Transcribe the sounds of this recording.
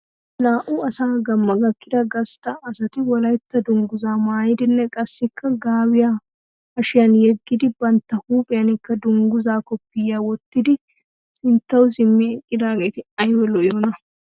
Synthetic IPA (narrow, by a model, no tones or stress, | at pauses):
laːʔʊɐsaːɡɐmːɐɡɐkːɪd̪ɐɡɐst̪ːɐːsɐt̪ɪwɔlɐjt̪ːɐd̪ʊŋɡʊzaːmaːjɪd̪ɪnːɛkʼɐsːɪkʰːɐɡaːwɪja | ɐʃɪjɐnjɛɡːɪd̪ɪbɐnt̪ːɐhuːpʼɪjɐnɪkːɐd̪ʊŋɡʊzaːkɔpːɪjːaːwɔt̪ːɪd̪ɪ | sɪnt̪ːɐwzɪmːɛɛkʼːɪd̪aːɡe̞ːt̪ɪɐjwɛlɔʔjonɐ